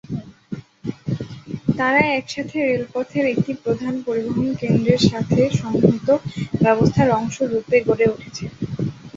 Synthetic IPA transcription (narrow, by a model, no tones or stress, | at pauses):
t̪aɾaɛkʃat̪ʰeɾelpɔt̪ʰeɾek̚ʈipɾod̪ʱanpoɾiboɦonkend̪ɾeɾʃat̪ʰeʃɔŋɦot̪obɛbost̪ʰaɾɔŋʃoɾupeɡoɾeuʈʰe̥t͡ɕʰe